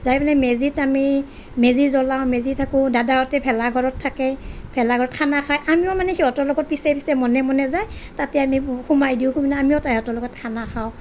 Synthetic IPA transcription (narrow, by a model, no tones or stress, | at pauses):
zajmanɛmezitami | mezizɔlawmezitʰakʊdadaɔtɛpʰɛlaɡʱɔɹɔtʰːakɛpʰɛlaɡʱɔɹɔt̚kʰanakʰajʔamiɔmanɛhiɔtɔlɔɡɔt̚pisɛpisɛmɔnɛmɔnɛzajtatɛamihumajdiʊ̃xuminaamiɔtahɛɔtɔlɔɡɔt̚kʰanakʰaʊ̃